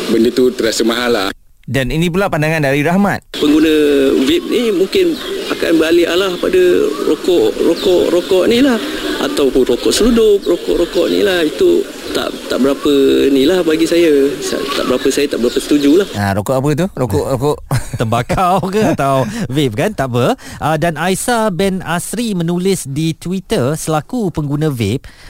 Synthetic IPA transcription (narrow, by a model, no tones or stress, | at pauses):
bəndət̪ut̪əɾasəmaɦanla̰h | daninĩp̬ulapandaŋandaɾiɾahmat̪̚pəŋɡunə̃wɪp̚nimuŋkɪnaka̰nbəɾalialahpadəɾokɔʔrokɔʔɾokɔʔnilaha̰t̪awpʊnrokɔʔsəludʊp̚rokɔʔɾokɔʔnḭlahit̪u | t̪a̰ʔt̪a̰ʔbəɾapənĩlahbaɡisajasa̰t̪aʔbəɾapəsajat̪aʔbəɾapəsə̥t̪ud͡ʒulahaɾokɔʔap̬ət̪̬uɾokɔʔɾokɔʔt̪əmbakawkəat̪awvep̚kant̪aʔpəʔədanajsabɛnasɾimə̃nulɪsdit̪wit̪ərsəlakupəŋɡunãvep̚